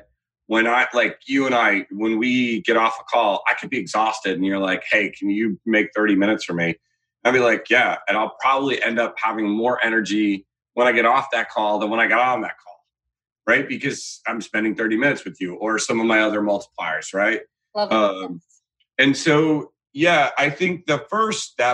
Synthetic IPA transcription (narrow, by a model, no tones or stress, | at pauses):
wə̃ñaɪlaɪkjɨə̃ñaɪwə̃nwiɡɛɾɔfəkʰɔlˠa̰ɪkʰɨd̚biɨɡzɔstɨɾn̩jə˞laɪkheɪkʰn̩jɨmeɪk̚θɜ˞ɾimɪ̃ñɨtsfə˞mĩ | aɪbilaɪkjæɨ̃aɪlˠpʰɹ̥ɑbəbliʔɛ̃ndʌp̚hævɪ̃ŋmɔɹʔɛñə˞d͡ʒi | wə̃ɾ̃aɪɡɛɾɔfðɨt̚kʰɔlˠðə̃nwə̃naɪɡɑɾɔ̃n̩ðɨ̰t̚kʰɔ̰lˠ | ɹaɪt̚b̥ɨkʰʌz̥ãɪ̃mspɛ̃ndɪ̃ŋθɜ˞ɾimɪ̃nɨtswɨðjɨʔə˞sʌ̃mʌvmaɪʌðə˞mʌlˠtə̥pʰl̥aɪə˞z̥ɹaɪt̚ | ʌ | ɨ̃nsoʊ | jæaɪθɪ̃ŋk̚ðɨfɜ˞stɛ